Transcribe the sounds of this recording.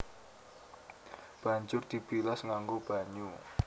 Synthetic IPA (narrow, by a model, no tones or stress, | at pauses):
b̥a̤ɲt͡ʃʊrd̪̥i̤b̥ilasŋaŋɡub̥a̤ɲu